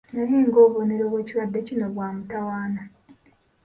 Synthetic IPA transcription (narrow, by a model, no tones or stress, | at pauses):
najiːŋɡo̞ːβoneɾoːβwe̞ːciɾwadːecinoβwaːmutawaːna